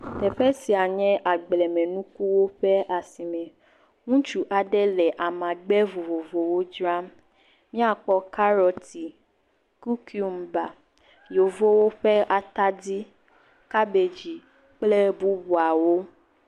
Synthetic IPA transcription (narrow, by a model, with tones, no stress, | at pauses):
t̪ɛ˨ɸɛ˦si˨a˨ɲɛ̃˦ʔa˨ɡ͡blɛ˨mɛ̃˨nũ˦ku˦wo˦ɸɛ˦ʔa˨si˨mɛ̃˨ | ŋũ˦t͡ʃu˦ʔa˨ɖɛ˦lɛ˨ʔa˨mã˨ɡ͡bɛ˦vo˨vo˨vo˨wo˦d͡ʒɾa˦m | mĩ˦a˨k͡pɔ˦ka˦ɾɔ˨ti˨ | ku˦ki˦u˨mba˨ | jo˨vo˦wo˦ɸɛ˦ʔa˨t̪a˦di˦ | ka˦be˨d͡ʒi˨ | k͡plɛ˦bu˦bu˨a˨wo˦